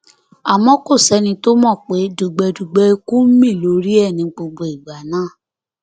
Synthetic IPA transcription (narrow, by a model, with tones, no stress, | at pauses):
a˨mɔ̃˦ko˦˨sɛ˧˦nĩ˧to˦mɔ̃˦˨k͡pe˨˦du˨ɡ͡bɛ˧du˨ɡ͡bɛ˧˦i˧kũ˦mĩ˦˨lo˨˦ɾi˦ɛ˦˨nĩ˨˧ɡ͡bo˧ɡ͡bo˨i˨ɡ͡ba˨nãː˨˦˨